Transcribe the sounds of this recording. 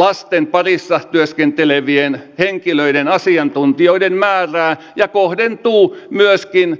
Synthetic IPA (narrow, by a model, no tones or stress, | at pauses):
lɑst̪empɑrisːɑht̪yøskent̪eleʋienheŋkiløiɾenɑsiɑnt̪unt̪ioidemmæːræː | jɑkohdent̪uːmyøskin